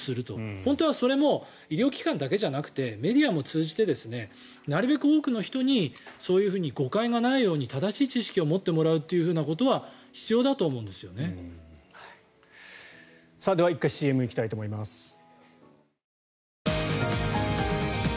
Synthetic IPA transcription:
sɨɾɯ̟t̪o̞hõ̞nt̪o̞β̞aso̞ɾe̞mo̞ | iɾʲjo̞ːkʲi̥kãnd̪ake̞ʑanakɯ̟̥t̪e̞me̞d̪ʲiamo̞t͡sɨːʑit̪e̞d̪e̞sɨne̞ | naɾɯ̟be̞kɯ̟o̞ːkɯ̟no̞çi̥t̪o̞ɲ̟iso̞ːjɯ̟ːɸɯ̟ːɲ̟iɡo̞kaiɡanaijo̞ːɲ̟it̪ad̪aɕiːt͡ɕiɕi̥kʲio̞mo̞t̪ːe̞mo̞ɾaɯ̟t̪ːe̞jɯ̟ɸɯ̟ːnako̞t̪o̞βaçi̥t͡sɨjo̞ːd̪at̪o̞ːmo̞ɯ̟̃nd̪e̞sɨjo̞ne̞hai | saːd̪e̞βaikːaiɕiːe̞mɯikʲi̥t̪ait̪o̞ːmoimasɨ̥

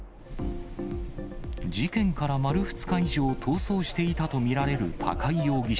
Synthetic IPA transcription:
d͡ʑikẽ̞ŋkaɾamaɾɯ̟ɸɯ̟̥t͡sɨ̥kaiʑoːt̪ʰo̞ːso̞ːɕi̥t̪e̞it̪at̪o̞mʲiɾaɾe̞ɾɯ̟t̪ʰa̰kaijo̞ːɡʲiɕ

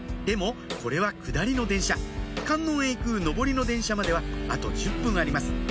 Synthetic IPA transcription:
d̪e̞mo̞ko̞ɾe̞βakɯ̟d̪aɾʲino̞d̪ẽ̞ɰ̃ɕakãnːõɰ̃eikɯ̟no̞bo̞ɾʲino̞d̪ẽ̞ɰ̃ɕamad̪e̞βaat̪o̞̰d͡ʑɨpːɯ̟̃ɰ̃aɾʲimasɨ̥

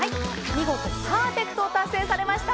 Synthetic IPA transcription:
ai | mʲiɡo̞t̪osaːpe̞kɯ̟̥t̪o̞ːt̪asːe̞ːsaɾe̞maɕi̥t̪a

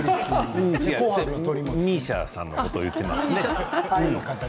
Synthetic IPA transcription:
ɯ̃iɡakoãoɾʲimʲiːɕa̰sã̰nːokot̪o̰ːjɯ̟t̪ːema̰sneɯ̃

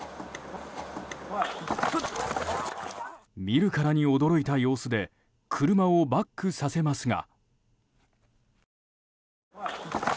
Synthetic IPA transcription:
mʲiɾɯ̟kaɾaɲ̟io̞d̪o̞ɾo̞it̪ajo̞ːsɨd̪e̞ | kʰɯ̟ɾɯ̟mao̞bakːɯ̟sase̞masɨŋa̰

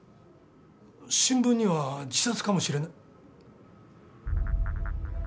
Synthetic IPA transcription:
ɕĩmbɯ̟̃ɲ̟ːiβad͡ʑisat͡sɨ̥kamo̞ɕiɾe̞nai

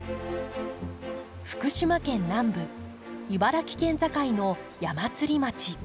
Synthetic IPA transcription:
ɸɯ̥kɯ̟ɕimakẽ̞nːãmbɯ̟ | ibaɾakʲi̥kẽ̞nzakaino̞ | jamat͡sɨɾʲimat͡ɕi

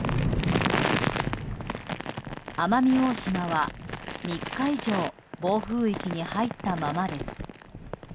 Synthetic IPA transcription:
amamʲio̞ːɕimaβamʲikːaiʑo̞ː | bo̞ːɸɯ̟ːikʲiɲ̟ihait̪ːamamad̪e̞sɨ̥

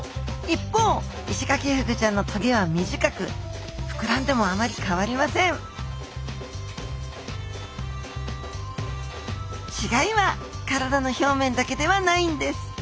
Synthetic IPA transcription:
ipːo̞ː | iɕi̥kakʲehɯ̟kɯ̟t͡ɕãnːo̞t̪ʰo̞ɡʲeβ̞amʲiʑikakɯ̟̰ɸɯ̟̥kɯ̟ɾãnd̪e̞mo̞amaɾʲikaβaɾʲimasẽ̞ɴ | t͡ɕiɡaiβakaɾad̪ano̞ço̞ːmẽ̞nd̪ake̞d̪e̞βanaĩnd̪e̞sɨ̥

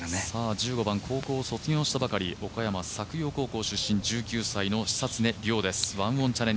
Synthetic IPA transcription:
saːd͡ʑɨːɡo̞bãŋkʰo̞ːko̞ːso̞t͡sɨɡʲo̞ːɕi̥t̪abakaɾʲio̞kajamasakɯ̟jo̞ːko̞ːko̞ːɕɨɕːĩɲ̟d͡ʑɨːkʲɨːsaino̞ɕi̥sat͡sɨne̞ɾʲo̞ːd̪e̞sɨ̥βãɰ̃õ̞ɲt͡ɕaɾẽ̞

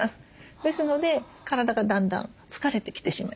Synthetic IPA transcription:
asɨ̥d̪̥e̞sɨno̞d̪e̞ | kaɾad̪aɡad̪ãnd̪ã̰n | t͡sɨ̥kaɾe̞t̪e̞kʲi̥t̪e̞ɕima

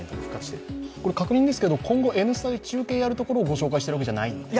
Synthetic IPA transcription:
t̪okɯ̟kːakɯ̥ɕt̪eko̞ɾe̞kakɯ̟ɲ̟ĩnd̪e̞sɨ̥ke̞d̪o̞kʰõ̞ŋɡo̞ʔe̞nɯsɨd̪ad̪et͡ɕɨːke̞ːjaɾɯt̪o̞ko̞ɾo̞ːɡo̞ɕo̞ːkaiɕit̪eɯβaked͡ʑanai

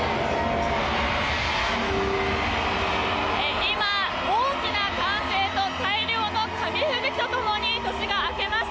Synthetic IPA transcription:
eima | oːkʲinaɡãɰ̃se̞ːt̪o̞t̪ʰaiɾʲjo̞ːno̞kʰamʲiɸɯ̟ɡɯ̟kʲi̥t̪o̞t̪o̞mo̞ɲ̟it̪o̞ɕiɡaːke̞maɕ

